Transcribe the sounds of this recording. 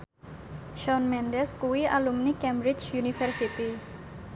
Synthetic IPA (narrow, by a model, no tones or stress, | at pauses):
ʃɔnmɛndɛskuwialumnikɛmbɾɪt͡ʃunifɛrsit̪i